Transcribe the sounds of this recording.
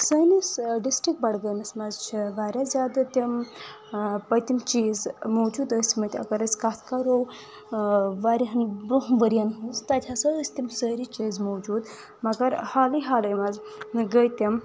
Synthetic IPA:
səjnisɖisʈɾikʈ̚bɐɽɡəjmɐsmɐzt͡ʃʰiʋaːɾʲazʲaːd̪ɨt̪ʲɐm | pɐjt̪ʲimt͡ʃiːzmowd͡ʒuːd̪əsmɐt̪ʲɐ̰ɡɐɾɐsʲkat̪ʰkaɾow | ʋaːɾʲiɦɐnbɾuɦnʋəɾʲanɦuzt̪at̪ʰʲasəəsʲt̪ʲimsəɾit͡ʃiːzmowd͡ʒuːd̪ | mɐɡɐɾhaːliɦaːlɐjmɐz | ɡəjt̪ʲɐm

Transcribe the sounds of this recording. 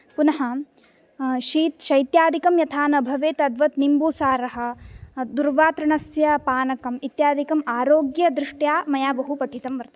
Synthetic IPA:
punɐɦɐ | ʃiːt̪ʃɐjt̪jaːd̪ʱikɐmjɐt̪ʰaːnɐbʱɐʋeːt̪ɐd̪ʋɐt̪nimbuːsaːɾɐɦɐ̆d̪uɾʋaːt̪ɾɐɳɐsjɐpaːnɐkɐmit̪jaːd̪ʱikɐmaːɾoːɡjɐd̪ɾɪʂʈjaːmɐjaːbɐɦupɐʈʰit̪ɐmʋɐɾt̪ɐ

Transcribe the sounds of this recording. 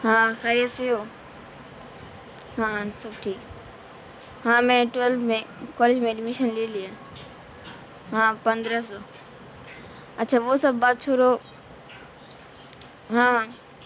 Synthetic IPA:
ɦãːsaɾiaseɦo | ɦãsɐbʈʰiːk | ɦãːmɛ̃ʈʋelbmẽkɔːled͡ʒmẽɖmiʃənlilia | ɦãpɐ̃nd̪ɾəsɔː | ɐtːʃʰaːʋosɐbːaːt̪̚t͡ʃʰoːɾo | ɦãɦã

